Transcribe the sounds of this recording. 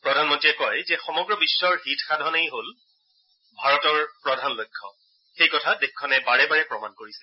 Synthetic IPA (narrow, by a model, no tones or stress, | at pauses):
pɹɔdʱanmɔntiɛkɔjzɛxɔmɔɡɹɔbisːɔɹɦitxadʱɔnejɦol | bʱaɹɔtɔɹpɹɔdʱanlojkʰːɔ̰ | xejkɔtʰadekʰːɔnɛbaɹɛbaɹɛpɹɔmankoɹisɛ̥